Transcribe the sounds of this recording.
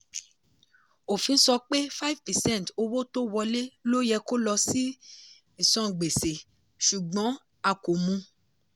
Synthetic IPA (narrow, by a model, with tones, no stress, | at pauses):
o˨fĩ˧n̩˦sɔ˧k͡pe˦fa˦i˦˨vpɛ˨sɛ̃˦˨to˧wo˦to˦wɔ˧le˦lo˦jɛ˧ko˦lɔ˧si˦ | i˨sɔ̃˨˧˨ɡ͡be˨se˨ | ʃu˨ɡ͡bɔ̃˨˦ | a˧˨ko˨mũ˧